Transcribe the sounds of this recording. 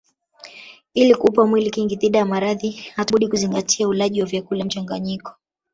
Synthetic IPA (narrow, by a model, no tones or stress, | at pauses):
ilikupamwilikiŋɡiðiɗajamaɾaðihatuɓuɗikuziŋɡatʰiaulaʄiwavjakulam̩t͡ʃaŋɡaɲikɔ̥